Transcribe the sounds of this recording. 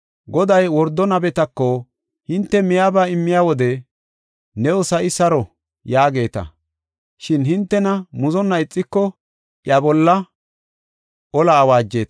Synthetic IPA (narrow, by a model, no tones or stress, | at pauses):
ɡɔd̪ɐjwɔɾd̪ːɔnɐbɛt̪ɐkːɔ | hɪnt̪ːɛmɪjaːbaɪmːɪjaːwɔd̪ɛ | nɛɔsɐɪsɐɾɔ | jaːɡe̞ːt̪ɐ̰ | ʃɪnɦɪnt̪ːɛnɐmʊzɔnːɐɪt͡sʼːɪkːɔ | ʔjɐbɔlːɐ | ʔɔlaːwaːd͡ʒːe̞ːt̪